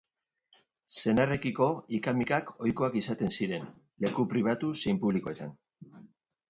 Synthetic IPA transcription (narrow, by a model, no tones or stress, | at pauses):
se̞nare̞kiko̞ikamikako̞jko̞akisat̪e̞nsiɾe̞n | le̞kupɾiβ̞at̪use̞jmpuβliko̞e̞t̪an